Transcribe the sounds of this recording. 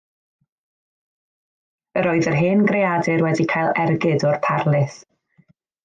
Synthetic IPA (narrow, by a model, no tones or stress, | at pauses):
əɾoːɨðərɦɨːnɡrejadɨɾwɛdikʰajlˠɛrɡɨdɔrpʰarlˠɪɨθ